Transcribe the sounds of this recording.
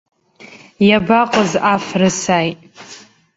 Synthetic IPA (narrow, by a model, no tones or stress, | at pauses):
jabaqʼəzafrɨsajtʼ